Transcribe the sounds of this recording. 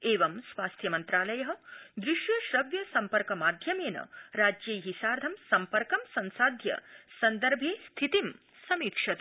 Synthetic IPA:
eːʋɐmsʋaːst̪ʰjɐmɐnt̪ɾaːlɐjɐɦɐ̆d̪ɾɪʃjɐʃɾɐʋjɐsɐmpɐɾkɐmaːd̪ʱjɐmeːnɐ̰ɾaːd͡ʒjeːɦisaːɾd̪ʱɐmsɐmpɐɾkɐmsɐnsaːd̪ʱjɐ̰sɐnd̪ɐɾbʱeːst̪ʰit̪im | sɐmiːkʂɐt̪

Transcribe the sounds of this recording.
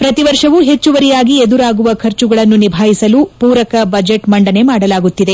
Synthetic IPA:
pɾɐt̪iʋɐɾʂɐʋuɦe̞t͡ʃːuʋɐɾijaːɡied̪uɾaːɡuʋɐkʰɐɾt͡ʃuɡɐɭɐnːunibʱaːjisɐlupuːɾɐkɐbɐd͡ʒeʈmɐɳɖɐne̞maːɽɐlaːɡut̪ːid̪e̞

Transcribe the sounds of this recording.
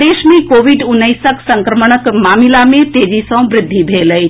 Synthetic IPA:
d̪eːʃmẽkoːʋiɖʊnːəjsəksəŋkɾəməɳ̃əkmaːmilamẽt̪eːd͡ʒisə̃w̃bɾɪd̪ʱːibʱeləj

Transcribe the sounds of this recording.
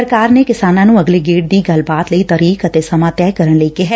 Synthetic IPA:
əɾkaːɾneːkɪsaːnãːnũːəɡleːɡeːʈ̚d̪iːɡəlbaːt̪ləiːt̪əɾiːkət̪eːsəmãːt̪ɛːkəɾəɳləikeɦɛ

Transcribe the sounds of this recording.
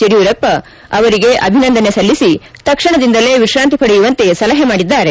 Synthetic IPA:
eɽijuɾɐpːɐ | ɐʋɐɾiɡe̞ʔɐbʱinɐnd̪ɐnesɐlːisit̪ɐkʂɐɳɐd̪ind̪ɐleʋiʃɾaːnt̪ipɐɽejuʋɐnt̪e̞sɐlɐɦɐmaːɽid̪ːaːɾe

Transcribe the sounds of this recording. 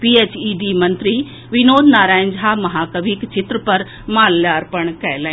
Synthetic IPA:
piːeːt͡ɕiːɖiːmɐ̃nt̪ɾi | ʋɪnoːd̪ʱnaːɾaːɪ̃nd͡ʑɦaːmɐɦaːkɐʋiːkt͡ɕʰɪt̪ɾəpɐɾ | maːlːjaːɾpɐɽ̃kɐelaː

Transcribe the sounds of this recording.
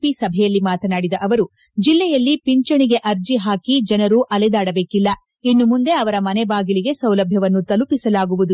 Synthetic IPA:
pisɐbʱɛjɐlːimaːt̪ɐnaːɽid̪ɐʔɐʋɐɾu | d͡ʒilːɛjɐlːipiɲt͡ʃɐɳiɡe̞ʔɐɾd͡ʒiɦaːkid͡ʒɐnɐɾuʔɐlɛd̪aːɽɐbe̞ːkilːɐ | inːumund̪e̞ɐʋɐɾɐmɐnebaːɡiliɡe̞sɐwlɐbʱjɐʋɐnːut̪ɐlupisɐlaːɡuʋud̪u

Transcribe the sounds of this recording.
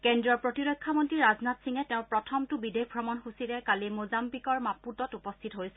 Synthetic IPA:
kendɹiɔɹpɹotilokʰːamɔntɹiɹaznatsiŋɛtɛʊ̃pɹɔtʰɔmtubidek̚ʰbʱɹɔmɔnxusitɛkalimozambikɔɹmaputɔtupɔstʰitɔɦojsɛ

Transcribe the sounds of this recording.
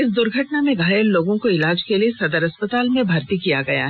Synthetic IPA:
ɪs̬d̪ʊɾɡʱɐʈnamẽɡʱaːjəllːoːɡõkoɪlaːd͡ʒkeliesɐd̪əɾɐspət̪aːlmẽbʱɐɾt̪ikijaɡɐja̰ːɦ

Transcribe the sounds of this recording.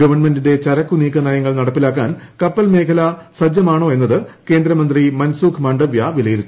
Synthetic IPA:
ɡɐʋɐrɳme̞ndinde̞t͡ɕɐɾɐkːuniːkːɐnaːjɐŋːɐɭnɐɽɐpːilaːk̬ːaːnkɐpːɐlme̞ːkʰɐlɐsɐd͡ʑɐmaːɳoːe̞nːɐðɨke̞ːnd̪ɾɐmɐnd̪rimɐnsuːkʰmɐɳɖɐʋjɐʋilɐjiɾit̪ː

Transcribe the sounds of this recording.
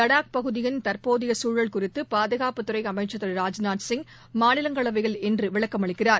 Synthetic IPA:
t̪ɐɽaːk̚pɐɣɯðɪjɪnt̪ɐɾpoːðɪjɐsuːɻɐɭkʊrɪt̪ːɯpaːðɐɣaːpɯt̪ːɯɾɐɪɐmɐɪt͡ʃːɐt̪ːɐɾɾaːd͡ʒnaːʈsɪŋɡ | maːnɪlɐŋɡɐɭɐʋɐɪɣɐɭɛndrɯʋɪɭɐkːɐmɐɭɪkːɪraːɾ

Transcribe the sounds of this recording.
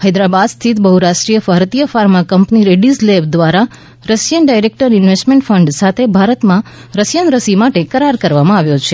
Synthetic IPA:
həjd̪ɾabad̪st̪ʰit̪bəɦuɾaʃʈɾijəfaɾt̪ijəfaɾmakəmpniɾeɖislebd̪ʋaɾa | ɾəsjənɖajɾek̚ʈəɾɪnʋesʈmẽɳʈfʰəɳɖsat̪ʰebʱaɾət̪mãɾəsjənɾəsimaʈekəɾaɾkəɾʋamãaʋjot͡ʃʰe

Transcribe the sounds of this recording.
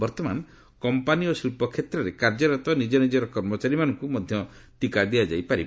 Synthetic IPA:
bɔɾt̪ɔman | kɔmpaniosilpɔkʰet̪ɾɔɾekaɾd͡ʒɔɾɔt̪ɔnid͡ʒɔnid͡ʒɔɾɔkɔɾmɔt͡ʃaɾimanɔŋkumɔd̪ʱjɔt̪ikad̪iad͡ʒajpaɾibɔ

